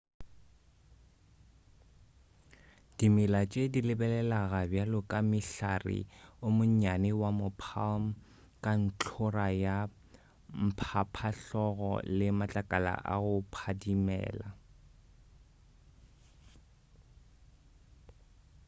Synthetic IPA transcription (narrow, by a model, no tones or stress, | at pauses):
d̥imɪlat͡ʃʼedilɪbɛlɛlaɣabjalʊkʼamɪɬarɪ̰ʊmʊɲɲanɪwamʊpʰalm̩ | kʼan̩t͡ɬʰʊraja | m̩pʰapʰaɬɔɣɔ̰lɪmat͡ɬʼakʼala̰ʔa̰ɣʊpʰadimɛ̰ːla